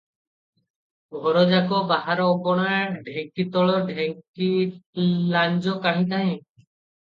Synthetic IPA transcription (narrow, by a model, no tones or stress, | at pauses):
bʱɔɾɔd͡ʒakɔbaɦaɾɔːɡɔɽ̃aɾɖʱeŋkit̪ɔɭɔɖʱeŋki | laɲd͡ʒɔkaɦĩt̪aɦɛ̃